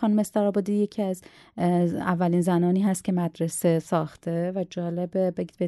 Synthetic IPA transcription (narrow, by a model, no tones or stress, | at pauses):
xɒːnumest̪æɾɒːbɒd̪iːje̞cʰiːæz | ævːælinzænɒːniːɦæst̪̚cʰʲe̞mæd̪ɾese̞sɒːxt̪ʰe̞væd͡ʒɒːle̞bebeɡiːd̪be